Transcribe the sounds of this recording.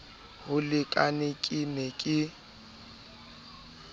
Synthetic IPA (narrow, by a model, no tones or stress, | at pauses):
hʊlɪkʼanɪkʼɪnekʼɪ